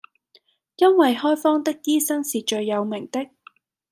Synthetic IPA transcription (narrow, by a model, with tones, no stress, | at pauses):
jɐ˥nwɐ˨jɦɔː˥jfɔː˥ŋt̪ɪ˥kːiː˥sɐ˥ŋsiː˨t͡ʃɵ˧ɥjːɐ˨˧wmɪ˨˩ŋt̪ɪ˥k̚